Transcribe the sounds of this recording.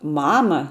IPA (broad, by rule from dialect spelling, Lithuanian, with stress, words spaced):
ˈmɑːmɐ